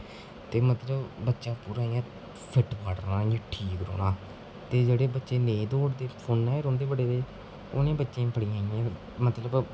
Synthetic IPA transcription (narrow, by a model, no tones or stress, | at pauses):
t̪eːmət̪ləbbətːʃãːpuːɾãːĩjãː | pʰɪʈbaːɖəɾãːijãːʈʰiːkɾo̰ːnãː | t̪eːd͡ʒeːɽeːbətːʃeːneːd̪oːɽd̪eːpʰoːnɛːɾõːnd̪eːbəɽeːɾeː | o̰nẽːbətːʃẽːpʰəɽiːãːĩjãː | mət̪ləb